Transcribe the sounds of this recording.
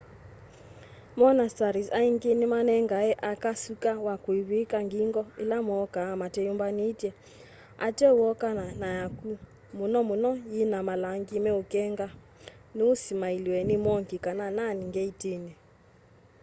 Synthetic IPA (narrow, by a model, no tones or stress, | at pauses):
mɔnastaɾisaiŋɡenimanɛŋɡaɛʔakasukawakuiβikaŋɡiŋɡɔḭlamɔːkaːmatɛjumbanitjɛ | a̰tɛuɔkananajaku | munɔmunɔjinamalaŋɡimɛokɛŋɡa | neusimailiwɛnimɔŋɡikanananiŋɡɛitenɛ